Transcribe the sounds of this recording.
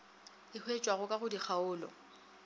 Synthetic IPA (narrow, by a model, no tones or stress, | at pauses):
ɪhwet͡ʃʼwaɣʊkʼaɣʊdik͡xʰaʊːlɔ̰